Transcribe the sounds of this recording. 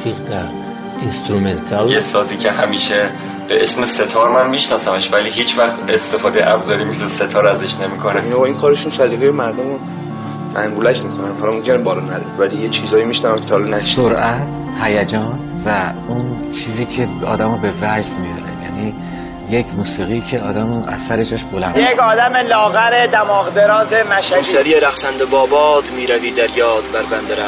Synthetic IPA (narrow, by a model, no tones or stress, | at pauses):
fiʁd̪æɾ | inst̪ɾument̪ʰaljesɒːziːcʰeɦæmiːʃe | b̥eʔesmese̞t̪ʰɒːɾmænmiʃnɒːsæmeʃvæliɦiːt͡ʃʰvæxt̪est̪e̞fɒːd̪ejeʔæbzɒːɾimisese̞t̪ʰɒːɾæzeʃne̞mikʰoneinoɒinkʰɒːɾeʃunsæd̪iːɣejemæɾd̪omo | ʔæŋɡulæcʰmikʰonænhɒlɒmomcʰʲenebɒːlɒnæɾevælijet͡ʃʰizɒːjimiʃnævæmkʰet̪ʰɒːlɔnæsoɾæt̪ | hæjæd͡ʒɒːn | væ | unt͡ʃʰiːziːcʰe̞ɒ̰ːd̪æmɔbe̞væd͡ʒd̪mid̪ɒ̰ɾejæ̰niː | je̞cʰmuːsiːɣiːcʰe̞ɒːd̪æmuʔæ̰z̥sæɾe̞d͡ʒɒːʃbolænjekɒːd̪æmelɒːɣæɾed̪æmɒːɣd̪eɾɒːzemæʃæsæɾijeɾæxsænd̪obɒːbɒːd̪miːɾæviːd̪æɾjɒːd̪bæɾbænd̪eɾæ